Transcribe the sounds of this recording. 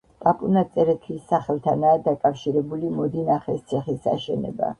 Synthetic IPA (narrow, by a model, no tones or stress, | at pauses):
pʼapʼunat̪sʼɛɾɛt̪ʰisːaχɛlˠt̪ʰanaːd̪akʼafʃiɾɛbulimɔd̪inaχɛst̪sʰɛχisa̰ʃɛnɛ̰ba̰